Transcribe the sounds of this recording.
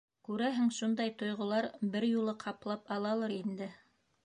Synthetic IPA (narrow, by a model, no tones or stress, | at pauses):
kʉɾæɦɘŋʃund̪ɑjt̪ŏjʁŏlˠɑɾbɘɾjulˠɤqʰɑplˠɑpɑlˠɑlˠɤɾind̪ɘ